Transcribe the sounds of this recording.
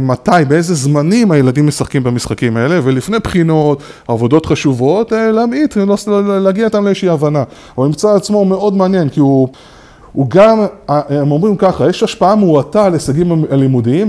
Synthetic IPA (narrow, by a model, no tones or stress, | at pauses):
matajbee̞ze̞zmanimaje̞ladimːe̞saχkimbamisχakimae̞le̞ve̞lifnejpχino̞tavo̞do̞tχaʃuvo̞telamit̪loslaɡiaot̪amleeʃiavana | uimt͡saːt͡smo̞me̞o̞dmeanje̞nkiu | uɡamamo̞mʁimkaχaje̞ʃaʃpaameuatalesaɡimalimudiim